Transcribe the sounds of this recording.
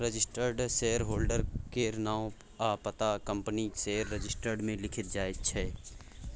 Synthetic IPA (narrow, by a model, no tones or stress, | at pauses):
ɾəd͡ʒɪsʈəɾɖseɦəɾɦoːlɖəɾkeɾnaːw | apət̪akə̃mpəniseːəɾːəd͡ʒɪsʈəɾɖmẽlɪkʰɪt̪̚d͡ʒaːɪd͡ʒt͡ʃʰɛː